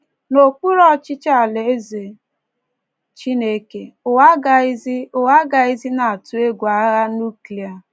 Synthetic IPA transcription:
no˨k͡pu˦ɾɔ˦t͡ʃɪ˦t͡ʃa˦˨le˨e˦ze˨ | t͡ʃi˦ne˦ke˦ʊ˨a˦ɡa˨i˦zi˦ʊ˨wa˦ɡa˨i˦zi˦na˨a˨tu˦e˦ɡʷa˨˦ɣa˦nu˦ki˨a˨

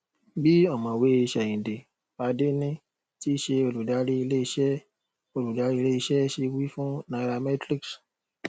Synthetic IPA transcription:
bi˦ɔ˦˨mɔ̃˨we˨˦i˧ʃɛ˨ĩ˨de˨ | a˧de˦nĩ˦ | ti˦ʃe˧o˧lu˨da˨˦ɾi˦i˧le˦i˧ʃɛ˦ | o˧lu˨da˨˦ɾi˦i˧le˦i˧ʃɛ˦ʃe˧wi˦fũ˦nã˧ɾa˧mɛ˦tɾi˦ks

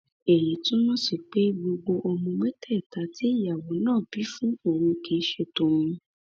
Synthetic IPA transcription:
e˨ji˨˦tũ˦nɔ̃˦si˦˨k͡pe˨˦ɡ͡bo˧ɡ͡bo˧ʔɔ˧mɔ̃˧mɛ̃˦tʰɛ˦˨ta˨˦ti˨˦i˦˨ja˨wo˨˦nãː˦˨bi˨˦fũ˦o˦˨ɾ̃ũ˧ke˨˦ʃe˦˨tõ˨ɾ̃ũ˧

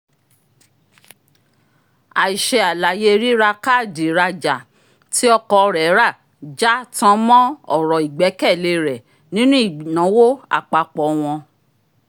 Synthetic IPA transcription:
a˨i˨ʃe˧a˨la˨je˦ɾi˦ɾa˧ka˦˨di˨ɾa˧d͡ʒa˨ | ti˦ɔ˧kɔ˧ɾɛ˨˦ɾa˦˨ | d͡ʒa˦tã˧˦mɔ̃˦ɔ˦˨ɾɔ˨i˨ɡ͡bɛ˨˦kɛ˦˨le˧ɾɛ˨ | nĩ˦nũ˦i˦˨nã˨˦wo˦a̰˦˨k͡pa˧k͡pɔ˨w̃ɔ̃˧

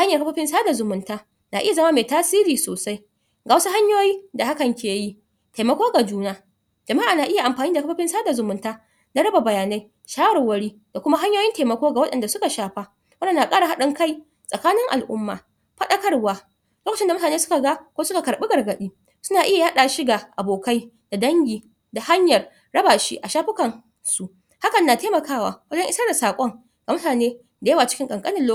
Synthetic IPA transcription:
ha˦ɲjɐ˨rka˦ɸa˦ɸɪ˦nsaː˦da˨zʊ˨mʊ˨ntaː˦ | naː˨ʔɪ˦ja˨zɐ˦ma˦meː˨taː˦siː˦ɾiː˨soː˨sa˦j | ɡa˨wɐ˦su˦ɦa˦ɲjoː˦jiː˦da˨ha˦kɐ˨ŋkʲʰeː˨ji˦ | teː˨mɐ˨kʷoː˦ɡa˨d͡ʒuː˦naː˦ | d͡ʒɐ˨ma˦ʔaː˨naː˨ʔɪ˦ja˨ʔa˨mɸaː˨niː˦da˨ka˦ɸa˦ɸɪ˦nsaː˦da˨zʊ˨mʊ˨ntaː˦ | na˦ɽɐ˦ba˨bɐ˨jaː˨na˦j | ʃaː˦wɐ˨wɐ˦ɽiː˦ | d̥a˨kʷʊ˦ma˦ɦa˦ɲjoː˦jɪ˦nteː˨mɐ˨kʷoː˦ɡa˨wɐ˦ɗɐ̰˨nda˨sʊ˦ka˨ʃaː˨ɸa˦ | wɐ˦nɐ˨na˨kʼaː˦ɽa˨ɦa˦ɗɪ˦ŋka˦j | sʼɐ˨kaː˦nɪ˦ŋʔa̰˨lʔʊ̰˦mːa̰ː˨ | ɸɐ˦ɗɐ˦kɐ˦rwaː˦ | loː˦kɐ˨t͡ʃɪ˦nda˨mʊ˦taː˨neː˦sʊ̥˦ka˨ɡa˦kʷoː˦sʊ˦ka˨kɐ˨ɽɓi˦ɡɐ˨rɡɐ˨ɗiː˦ | sʊ˦naː˨ʔɪ˦ja˨haː˦ɗaː˨ʃi˦ɡaː˨ʔa˨boː˨ka˦j | d̥a˨dɐ˦ŋɡʲiː˨ | da˨ha˦ɲjɐ˨r | ɽɐ˦baː˨ʃḭ˦ʔa˨ʃaː˦ɸɪ˦kɐ˨n | su˨ | ha˦kɐ˨nːa˨teː˦mɐ˨kaː˦wa̰ː˨wɐ˦d͡ʒɔ˦ŋʔɪ˦sa˦da˨saː˨kʷʼɔ˦ŋ | ɡ̥a˨mʊ˦taː˨neː˦ | da˨jɐ˦wa˨t͡ʃɪ̥˦kʲɪ˦ŋkʼɐ˨ŋkʼɐ˦nɪ˨nlo˦

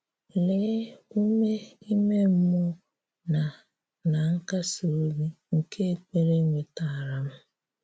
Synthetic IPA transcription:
le˨˦u˦me˦i˦me˦m̩˦mʊ˦ | na˨ | na˨ŋ̩˦ka˦so˨˦ɾi˦ | ŋ̩˨kʰe˦e˨k͡pe˦ɾe˦ŋʷe˨ta˨ɾa˨m̩˦

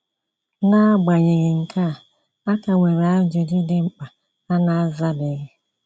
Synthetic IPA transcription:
na˦ɡ͡ba˨ɲe˨ɣɪ˨ŋ̩˨kʰa˦˨ | a˦ka˨ŋʷe˨ɾa˦d͡ʒʊ˨d͡ʒi˦dɪ˨ŋ͡m̩˦k͡pa˨ | a˦na˦a˦za˦bɪ˨˦ɣɪ˦

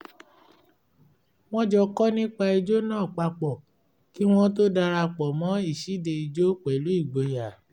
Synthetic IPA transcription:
w̃ɔ̃˦d͡ʒɔ˧kɔ˦nĩ˦k͡pa˧i˧d͡ʒo˦nãː˦˨k͡pa˧k͡pɔ˨ | ki˦w̃ɔ̃˦to˦da˧ɾa˧k͡pɔ˨mɔ̃˨˦i˦˨ʃi˨˦de˧i˧d͡ʒo˦k͡pɛ˨lu˨˦i˦˨ɡ͡bo˨ja˨

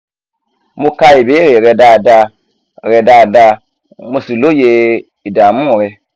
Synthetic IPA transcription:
mo˦ka˦i˨be˨˦ɾe˨ɾɛ˨da˨da˧˨ | ɾɛ˨da˨da˧˦ | mo˧si˨lo˦je˧ | i˨da˨mũ˦˨ɾe˧

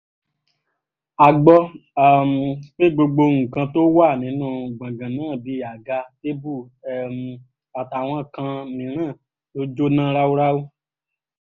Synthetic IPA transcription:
a˨ɡ͡bɔ˧a˨m˨k͡pe˦ɡ͡bo˧ɡ͡bo˧ŋũ˨kã˧to˦wa˦˨nĩ˨˦nũ˦˨ɡ͡bã˨ɡã˨nãː˦˨bi˨˦a˨ɡa˧te˦bu˦˨ɛ˨m˨ | a˨ta˨w̃ɔ̃˧kã˧nĩ˨˦ɾ̃ã˦˨ | to˦d͡ʒo˦nã˦ɾa˦wo˦ɾa˦wu˦

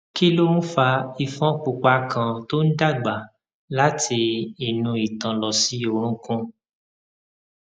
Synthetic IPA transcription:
ki˦lo˦mũ˦fa˧i˧˨fɔ̃˦k͡pu˨k͡pa˧˦kʰã˧to˦n̩˦da˦˨ɡ͡ba˨ | la˦tʰi˧i˧˨nũ˧i˨tã˨lɔ˨si˨˦o˧ɾ̃ũ˧˦kũ˦

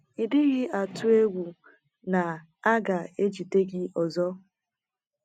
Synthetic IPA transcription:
i˨dɪ˦ɣɪ˦a˨tʊ˦e˦ɡʷu˨ | na˨ | a˦ɡa˨e˦d͡ʒi˨te˦ɡɪ˦ɔ˨zɔ˦

